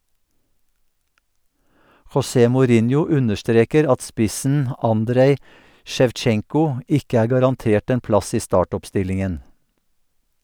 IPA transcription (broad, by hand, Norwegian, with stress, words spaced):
xɔˈseː mʊˈɾɪnjʊ ˈʉnəʃˌtɾeːkəɾ ˈɑt ˈspɪsn̩ ˈɑndɾeɪ ˌʃɛʋˈt͡ʃɛŋkʊ ˈɪkə ˈæːɹ ɡɑɾɑnˈteːʈ ˈeːn ˈplɑs ˈiː ˈstɑːˌʈɔpˌstɪlɪŋən